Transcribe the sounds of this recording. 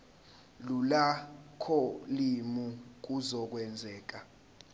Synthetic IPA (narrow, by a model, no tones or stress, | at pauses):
lulakʰɔlimuk̬uzɔk̬wɛnd͡zʱɛːk̬a